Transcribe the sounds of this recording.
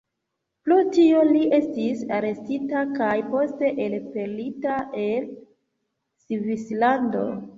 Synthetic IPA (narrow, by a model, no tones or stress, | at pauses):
plutio̞liʔe̞stisaɾe̞stitakajpo̞ste̞ʔelpe̞ɾlitaʔel | sivislando̰